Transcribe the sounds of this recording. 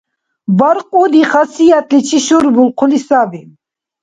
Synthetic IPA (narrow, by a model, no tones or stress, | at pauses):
baɾqʼud̪iχasijat̪ʼlit͡ʃʰiʃuɾbulqʰulisavin